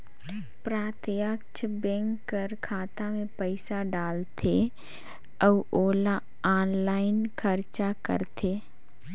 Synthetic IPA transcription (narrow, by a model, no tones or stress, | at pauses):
pɾaːt̪jəkt͡ʃʰbɛ̃ŋkːəɾkʰaːt̪amẽpəɪsaɖaːlt̪ʰe | əʋʔoːla | aːnlaːɪnkʰəɾt͡ʃakə̰ɾt̪ʰeː